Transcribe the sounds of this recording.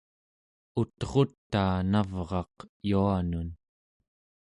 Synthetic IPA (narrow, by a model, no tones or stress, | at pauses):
ut̪ʁo̞t̪ːaːnavʁɑqjuanun